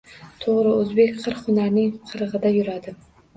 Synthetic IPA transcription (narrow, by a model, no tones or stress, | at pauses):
t̪ʰoʁɾɪɵzbe̞kʲqʰɨɾχʊnaɾnɪŋqʰɨɾɨʁɨd̪ajʊɾad̪ɪ